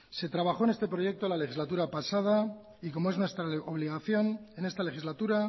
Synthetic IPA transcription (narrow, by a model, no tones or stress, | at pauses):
se̞t̪ɾaβaxo̞ene̞st̪e̞pɾo̞je̞k̚t̪olale̞xizlat̪̬uɾapasað̞a | iko̞mo̞e̞znwe̞st̪ɾaoβ̞liɣaθjo̞ne̞ne̞st̪ale̞xizlat̪uɾa